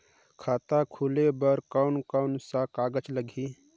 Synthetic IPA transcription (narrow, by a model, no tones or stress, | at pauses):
kʰaːt̪akʰulebəɾkaʊnkansakaːɡət͡ʃləɡʱi